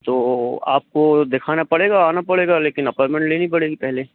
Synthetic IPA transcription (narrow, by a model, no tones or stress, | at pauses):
t̪oːa̰ːp̚kod̪ekʰaːnapɐɽeːɡaːnapɐɽeːɡaleːkɪnɐpaːɾmɛ̃ɳʈleːnipɐɽeːɡipɛɦle